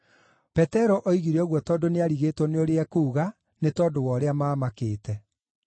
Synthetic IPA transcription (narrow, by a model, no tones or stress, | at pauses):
pɛtɛɾɔʔɔiɣiɾeɔɣwɔtɔdoneaɾiɣeːtwɔneoɾeɛkuuɣa | netɔːdowɔːɾeamaːmakeːtɛ